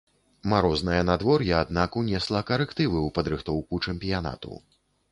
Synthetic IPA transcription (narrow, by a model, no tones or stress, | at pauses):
maɾɔznɐjɐnad̪vɔrjɐad̪nakunʲɛslˠɐkɐɾɛkt̪ɨvɨwpɐd̪ɾɨxt̪ɔwkut͡ʂɛmpʲijana̰t̪ṵ